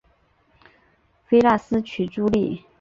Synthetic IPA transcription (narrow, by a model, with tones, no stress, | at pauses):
fe˥ɪla˥˩sɹ̩˥t͡ɕʰy˨˩ʈ͡ʂu˥li˥˩